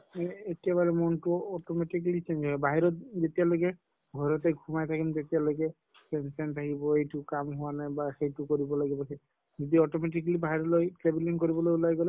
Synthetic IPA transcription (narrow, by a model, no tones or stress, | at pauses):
etiaβalɛmɔntʊɔtɔmetikalit͡ʃend͡ʒɔɛbaɦiɾɔt̚zetialokɛ | ɡʱɔɹɔtɛɡʱumajt̪ʰakilmt̪etialojkɛ | kɛnsɛntʰakibɔejtʊkamɦʊwanajbaxejtʊkoɹibɔlaɡibɔxe | d͡ʒidiɔtɔmet̬ikalibaɦiɹɔlojklebiliŋkoɹibɔlojulajɡɔlɛ